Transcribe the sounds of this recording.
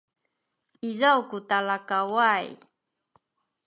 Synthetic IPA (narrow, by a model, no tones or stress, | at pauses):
izawkutalakawaj